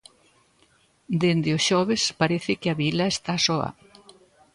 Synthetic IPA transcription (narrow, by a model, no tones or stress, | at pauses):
d̪end̪ɪosʃɔβɪspaɾeθɪkɪɐβilɐest̪asɔɐ̰